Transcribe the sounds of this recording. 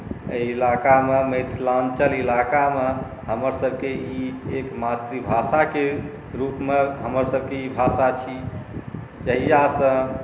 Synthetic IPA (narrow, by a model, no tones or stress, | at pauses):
əilakameməɪt̪ʰlant͡ʃəlilakame | ɦəməɾsəbʱkeiːkmat̪ɾibʱasake | ɾupmeɦəməɾsəbʱkeibʱasat͡ʃʰi | t͡ʃəɦijasə̃